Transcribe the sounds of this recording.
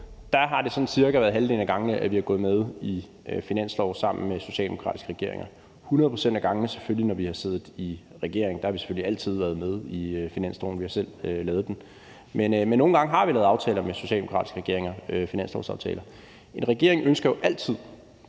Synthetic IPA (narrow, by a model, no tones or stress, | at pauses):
d̥ɑɦɑ̈d̥e̝sɒ̽n̩siɐɡ̥ɐʋæɐðˠɦælde̝̰ːnæɡ̥ɑ̈ŋnəʔæʋihɑ̈ɡ̥ɔ̽ːð̩ˠmeð̞ˠi | øfinæn̰slɒʊsɑ̈m̰n̩meso̝ɕɛ̰ːld̥emo̝kʰʁɑ̰̈ːdisɡ̥əʁɛɡ̥e̝ɐe̝ŋɐ | hunɐðˠpʰʁosen̰d̥æɡ̥ɑ̈ŋənəse̥følinɒʋihɑ̈se̝̰ːð̩ˠi | ʁɛɡ̥e̝ɐ̰eŋn̩d̥ɑhɑ̈ʋise̥føliæl̰t͡sʰið̞̰ˠʋæɐðˠmeð̞ˠifinæn̰sd̥ɒ̰ːn̩ʋihɑ̈sel̰ølɛːð̞̩ˠd̥en | menmenːo̝ːn̩ɡɑ̈ŋɦɑ̈ʋilɛːð̩ˠɑ̈ʊt͡sʰɛːlɐmeso̝ɕɛ̰ːldemokʰʁɑ̰̈d̥isɡ̥əʁɛɡe̝ɐeŋɐøfinæn̰slɒ̰ʊsɑ̈ʊt͡sʰɛ̰ːlɐ | e̝nʁɛɡ̥e̝ɐe̝ŋʔønsɡ̥ɐjo̝ʔæl̰t͡sʰið̞̰ˠ